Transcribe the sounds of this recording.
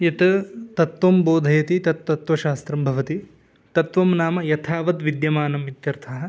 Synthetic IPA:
jɐt̪ɐt̪ɐt̪ʋɐmboːd̪ʱɐjɐt̪it̪ɐt̪ʋɐt̪ʋɐʃaːst̪ɾɐmbʱɐʋɐt̪i | t̪ɐt̪ʋɐmnaːmɐjɐt̪ʰaːʋɐt̪ʋid̪jɐmaːnɐmit̪jɐɾt̪ʰɐɦɐ̆

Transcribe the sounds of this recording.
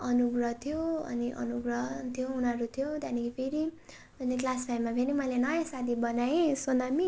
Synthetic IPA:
ʌnuɡrʌt̪ʰijoʌ̰niʔʌ̰nuɡrʌt̪ʰijounʌɾut̪ʰijot̪janikipʰeɾi | ʌneklaspʰajmːabʱenimʌlenʌjasad̪ʱibʌnajẽsonami

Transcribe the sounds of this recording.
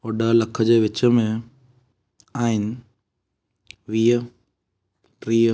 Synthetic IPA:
oːɖəlɐkʰəd͡ʑeːʋɪt͡ɕəmẽ | aːɦɪnɪ̆ | ʋiːɦə | ʈɾiː

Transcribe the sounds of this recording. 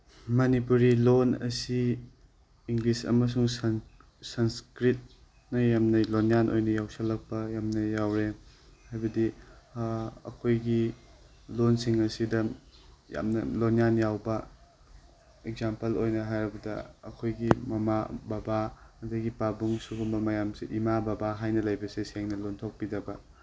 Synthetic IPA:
mɐnipuɾilonɐ̰si | iŋɡlisɐ̰mɐs̬uŋ | sɐnskɾit̚ | nɐjamnɐlonjanʔo̰jnɐjawsɐlːɐk̚pɐjamnɐjawɾehajbɐdi | ɐ̰kʰojɡi | lonsiŋɐsidɐja̰mnɐ̰lonjanjawbɐ | eɡzampɐlojnɐɦajɾɐbɐdɐ̰ɐ̰kʰojɡimɐma̰babaɐdɐɡipabuŋsuɡumbɐmɐjamsiʔimabɐbaɦajnɐlɐjbɐsesieŋnɐlontʰok̚pidɐbɐ

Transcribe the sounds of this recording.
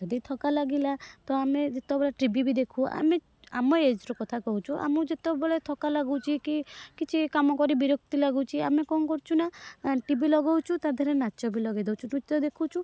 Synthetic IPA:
ɔd̪it̪ʰɔkalaɡilat̪ɔamed͡ʒet̪ɔbɔleʈɾibibid̪ekʰua̰me | a̰mɔeed͡ʒɾɔkɔt̪ʰakɔɦut͡ʃʰuʔa̰mud͡ʒet̪ɔbɔlet̪ʰɔkalaɡut͡ʃʰikikit͡ʃʰikamɔkɔɾibiɾokt̪ilaɡut͡ʃʰiamekɔŋkɔɾt͡ʃʰunaʈibilɔɡɔwt͡ʃʰut̪ad̪ʱɔɾenat͡ʃɔbilɔɡajd̪ewt͡ʃʰuʈut̪ɔd̪ekʰut͡ʃʰu

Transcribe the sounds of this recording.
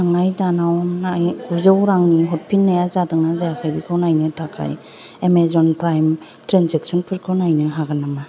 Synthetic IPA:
aŋajtanawnajuzawɾaŋniɦɔt̚pʰinːajazadɯŋazajakʰajbikʰawnajnɯtʰakʰa̰j | emezɔnpɾajm | tɾanzek̚sɔnpʰɯɾkʰɯwnajnɯɦaɡanama

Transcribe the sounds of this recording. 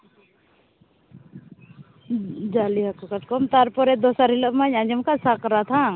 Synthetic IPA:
d͡ʒaliɦakɔkɐʈ̚kɔmt̪aɾpɔɾɛd̪ɔsaɾiləmaɲãd͡ʒəmkasakɾat̪ʰã

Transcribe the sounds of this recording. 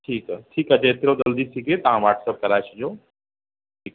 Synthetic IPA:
ʈʰiːkʈʰiːkɐd͡ʑaet̪ɾod͡ʒəld̪isiket̪ɦãʋaːʈʰsəp̚kɐɾajt͡ʃid͡ʒoː | ʈʰiːk

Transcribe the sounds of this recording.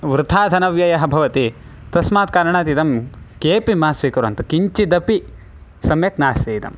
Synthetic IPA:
ʋɾut̪ʰaːd̪ʱɐnɐʋjɐjɐɦɐbʱɐʋɐt̪i | t̪ɐsmaːt̪̚kaːɾɐɳaːt̪it̪ɐmkeːpimaːsʋikɐɾɐ̰nt̪ukiɲt͡ʃid̪ɐpi | sɐmjɐknaːst̪eːt̪ɐ̰m

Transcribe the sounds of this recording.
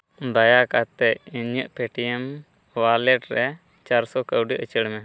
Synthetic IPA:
d̪ajakat̪ɛʔiɲəʔpɛʈijɛm | walɛʈɾɛ | t͡ʃaɾsɔkəwɖiʔət͡ʃəɽmɛ

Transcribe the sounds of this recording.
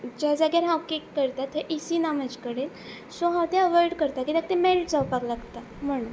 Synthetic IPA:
d͡ʑad͡zaɡjaɾɦãwkekːəɾt̪at̪ːəʔisinamət͡ɕkəɽen | soɦãwt̪ẽəʋɔjɽkəɾt̪akit̪ak̚t̪emɛlʈd͡zawpaklaɡt̪a | m̤əɽ̃ũn

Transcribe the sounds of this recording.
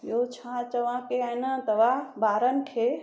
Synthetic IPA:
jot͡ʃʰãt͡ʃəʋãkeanãt̪əʋabaːɾənkʰe

